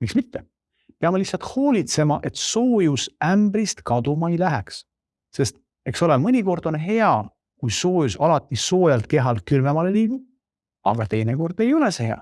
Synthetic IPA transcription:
miksmit̪ːe̞ | peɑmelihsːɑlt̪ho̞ːlʲit̪se̞mɑʔe̞t̪soːjusæmbɾist̪kɑd̪̥umɑejlæɦeks | se̞st̪ | e̞kso̞lemɤnʲiko̞rd̪̥o̞nɦe̞ɑ | kujso̞ːjusɑlɑt̪ˑːiso̞ːjɑlt̪̚ke̞ɦɑlkylvemɑleliːɡ̥u̥ | ɑ̰ɡ̥ɑt̪e̞jneko̞rd̪̥e̞jo̞leseheɑ̰

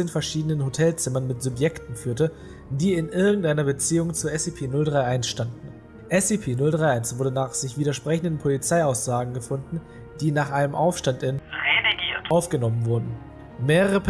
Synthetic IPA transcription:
eːnfɛɐʃiːdənənɦotʰɛlt͡sɪmɐnmɪtz̥ʊpjɛktn̩fyːɐtə | diːɪnʔɪɐɡŋ̩tʔaɪnɐbət͡siːʊŋt͡suːɐɛsepʰeːnʊldʁaɪʔaɪnsʃtandn̩ | ʔɛsipʰeːnʊldʁaɪʔaɪnsv̥ʊɐdənaːχz̥ɪçv̥iːdɐʃpʁ̥ɛçn̩dən̩pʰolit͡saɪaʊsz̥aːɡŋ̩ɡəfʊndn̩ | d̥iːnaːχʔaɪnəmʔaʊfʃtantɪnʁeliɡiːɐtʔaʊfɡ̥ənɔmənvʊɐdn̩ | meːʁəʁ̞əp

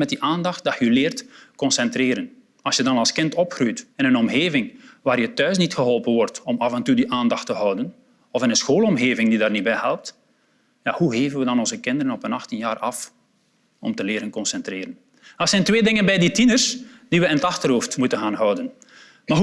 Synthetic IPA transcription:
mɛt̚diʔaːndɑxt̚dɑtjəylɪːrtkɔnsɛntreːɾən | ɑlsjədɑnɑlˠskɪntɔpxrujtɪnənɔmɣeːvɪŋʋaːrjətœɥsnitxəɦɔlˠpənʋɔrtɔmɑvɛntudiʔaːndɑxtəɦɔwdən | ɔfɪnənsxoːlˠɔmɣeːvɪŋdidaːrnibɛjhɛlˠp̚t | ja̰huɦeːvənʋədɑnɔnzəkɪndəɾənɔpənɑxtinjaːrɑf | ɔ̰mtəlɪːɾənkɔnsɛntrɪːɾən | ɑlsɛjntʋeːdɪŋənbɛjditinərsd̥iʋəɪnətɑxtərɦoːftmutənɣaːnɦɔwdən | maː

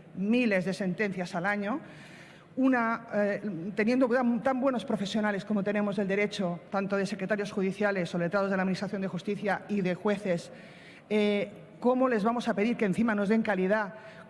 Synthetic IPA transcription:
mile̞zðe̞se̞nt̪enθjasalaɲo | una | t̪e̞nje̞nd̪ot̪amt̪ambwe̞no̞spɾo̞fe̞sjonale̞sko̞mot̪enemo̞zðe̞ld̪eɾe̞t͡ʃo̞t̪ant̪oð̞ese̞kɾe̞t̪aɾjo̞sxuð̞iθjale̞solet̪ɾaðo̞zðlaðminist̪ɾaθjond̪exust̪iθjaiðexwe̞θe̞s | e | komole̞zβamo̞sapeðiɾkeːnθimano̞zðe̞ŋkalið̞a

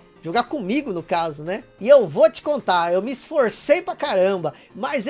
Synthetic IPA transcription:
ʒ̥oɡakõmiɡʊnʊkazʊnɛɪewvot͡ʃɪ̥kõnt̪aɾewmɪisfoɾsejpɾɐkaɾɐ̃mbɐ | mɐz

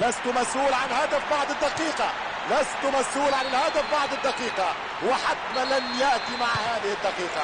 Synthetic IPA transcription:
last̪ʊmasʔuːlʕanhad̪afbɑʕd̪ˤɪd̪ːɑqiːqɑ | last̪ʊmashuːlʕanɪlhad̪afbɑʕd̪ˤɪd̪ːɑqiːqɑ | wɪħat̪ːmalanjaʔt̪imaʕahaːðɪhɪd̪ːɑqiːqɑ

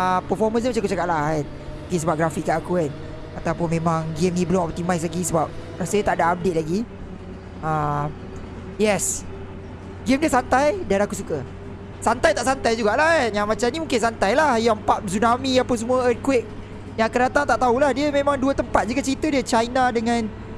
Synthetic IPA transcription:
əpəfɔmə̃s̬imat͡ʃakut͡ʃakaʔ̪̚lahan | mũkinsəbap̚ɡɾafikːaʔakukan | at̪awpʊnmẽmãŋɡemnibəlʊŋɔp̚t̪imajs̬laɡisəbap̚kəɾasədət̪aʔdaːp̚det̪̚laɡi | a | jɛs | ɡɪmdiəsant̪ajdanakusukə | sant̪ajt̪aʔsant̪ajd͡ʒuɡaʔlaanjaŋmat͡ʃamnĩmũŋkɪnsant̪ajlahjapat̪̚sunamiapəs̬əmuəəkwɪk̚ | jaŋkəɾat̪aŋt̪aʔt̪aulahdiəmẽmãŋduət̪əmpat̪̚d͡ʒuɡat͡ʃəɾit̪ədiət͡ʃajnadəŋãn

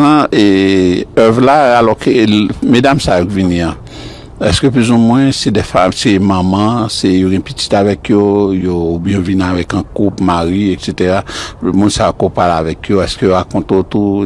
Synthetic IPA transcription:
ãe | œvlaalɔkemedamsajokviniã | ɛskøp̬lyzumwɛ̃sɛdɛfamsemãmãsejoɡɛ̃piti̥t̪avɛkjojobjõvinavɛkãkupmaʁiekset̪eʁamũnsaokopalavɛkjoɛskøjoʁakɔ̃t̪ot̪u

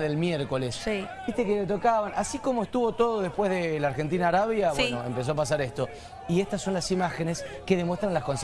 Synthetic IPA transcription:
ðelmjeɾko̞lessibiht̪eket̪et̪o̞kaβanʔasiko̞moest̪uβo̞t̪o̞ð̞oðe̞hpwezðelaɾxent̪̬inaːɾaβjaβenoempe̞s̬oapas̬aɾest̪o̞ | ieht̪asːo̞nlasimaxeneskeðemwet̪ɾanlasko̞ns

